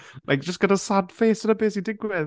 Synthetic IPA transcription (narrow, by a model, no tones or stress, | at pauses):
lʔa̰jk̚əsɡ̥ədasad̥feːsənəbeːsidɪɡwɛð